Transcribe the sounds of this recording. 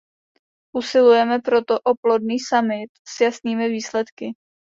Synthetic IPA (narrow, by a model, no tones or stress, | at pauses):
ʔusɪlujɛmɛpɾo̞t̪oʔoplodniːsamɪt̪sjasniːmɪviːslɛt̪kɪ